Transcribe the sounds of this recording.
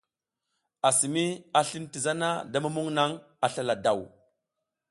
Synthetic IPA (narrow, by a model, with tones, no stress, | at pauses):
a˨si˨mi˦a˨ɬi˦nti˨za˦na˦da˦ma˦mu˦ŋna˦ŋ | a˨ɬa˦la˨da˨w